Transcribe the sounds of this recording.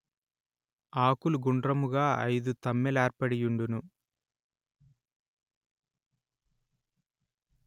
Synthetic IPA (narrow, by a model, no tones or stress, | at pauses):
aːkuluɡuɳɖrɐmuɣaːɐ̰jd̪ut̪ɐmːelaːɾpɐɽijuɳɖunu